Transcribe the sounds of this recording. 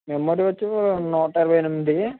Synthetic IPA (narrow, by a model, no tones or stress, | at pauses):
memoːɾiʋɐt͡ʃːunoːʈɐiɾɐʋɐjnumːd̪i